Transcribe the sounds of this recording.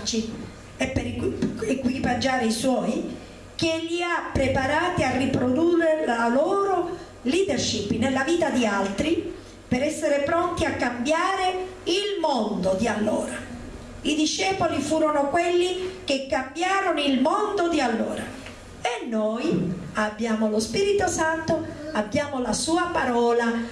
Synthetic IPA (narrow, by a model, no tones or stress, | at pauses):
t͡ʃi | epːeɾekwipad͡ʒaːɾeiswɔːj | k̟eʎːiapːɾepaɾaːt̪iarːipɾod̪urelaloːɾo | liːd̪erʃipːnelːaviːt̪ad̪ialt̪ɾi | peɾɛsːeɾepɾont̪iakːambjaːɾeilmond̪od̪ialːo̰ːɾa | id̪iʃːɛːpolifuːɾonokwelːik̟ekːambjaːɾonoilmond̪od̪ialːo̰ːɾa | enːojabːjaːmolospiːɾit̪osant̪oabːjaːmolasuːapaɾɔːla